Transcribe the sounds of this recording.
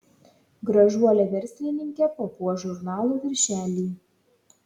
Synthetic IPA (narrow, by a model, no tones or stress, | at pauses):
ɡɾɐʒuɔlʲɛʋʲɛɾʲsʲlʲɪnʲɪŋʲkʲɛpoːpuɔʒʊɾnɑːlˠuːʋʲɪɾʲʃʲæːlʲiː